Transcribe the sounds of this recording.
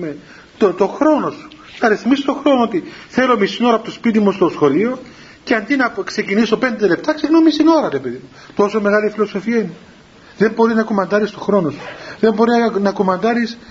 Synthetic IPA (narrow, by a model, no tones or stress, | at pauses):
e | t̪ot̪oxɾo̞no̞su̥ | nɐɾiθmisit̪o̞xɾonoot̪iθe̞lo̞misino̞ɾɐpot̪ospit̪̬imust̪o̞sxo̞lio̞ | ceɐnd̪inɐkse̞cinisope̞nd̪e̞le̞p̚t̪ɐksiɣnomisino̞ɾɐɾepeðimu | t̪o̞so̞me̞ɣɐlifilo̞so̞fiɐine | ðe̞mbo̞ɾiznɐkomɐnd̪ɐɾist̪o̞xɾo̞no̞su̥ðe̞mbo̞ɾinɐkomɐnd̪ɐɾis